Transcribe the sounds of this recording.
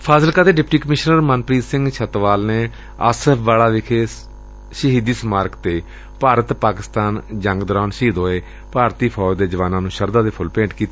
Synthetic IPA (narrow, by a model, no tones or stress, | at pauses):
pʰaːzəlkaːt̪eːɖɪpʈiːkəmɪʃnəɾmənpɾiːsɪŋɡʃʰət̪ʋaːlneː | əsɛpʰʋaːlaːʋɪkʰeː | ʃəɦiːd̪iːsəmaːɾkt̪eː | paːɾət̪paːkɪst̪aːnd͡ʒə̃ŋɡd̪əɾaːnʃiːd̪ɦoːeː | paːɾt̪iːpʰɔːd͡ʒd̪eːd͡ʒəʋaːnãːnũːʃəɾd̪aːd̪eːpʰʊlpẽːɳʈkiːt̪e